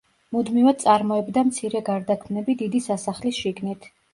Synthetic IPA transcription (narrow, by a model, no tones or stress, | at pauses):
mud̪mivad̪̚sʼaɾmɔɛbd̪amt̪sʰiɾɛɡaɾd̪akʰmnɛbid̪id̪isasaχlisʃiɡnit̪ʰ